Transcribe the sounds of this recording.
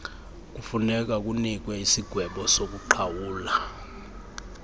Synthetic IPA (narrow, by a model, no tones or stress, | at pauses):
k̬ufunɛk̬ak̬unik̬wɛisiɡ̥ʱwɛɓɔsok̬uǃʰawuːla